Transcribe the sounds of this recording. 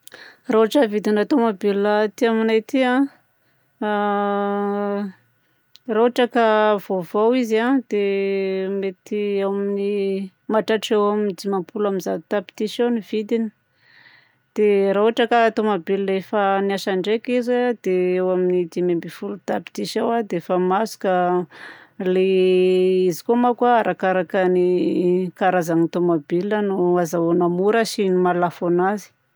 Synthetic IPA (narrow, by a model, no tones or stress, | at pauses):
raoaʈ͡ʂəvid̪inat̪omabilət̪iaminajt̪iã | raaʈ͡ʂakəvovowizad̪̥e | met̪iawamini | maʈ͡ʂaʈ͡ʂewamind̪imampulaminzat̪api̥t̪isonivid̪ini̥ | d̪̥eɾauaʈ͡ʂəkat̪omabilːefaniaʃaɳɖ͡ʐekizad̪eewaminid̪imembifulut̪api̥t̪iʃawad̪eefamasu̥ka | le | izi̥komakaaɾʔakaɾakənikaɾazaŋit̪omabilənuazaonamuɾəʃinimalafonazi̥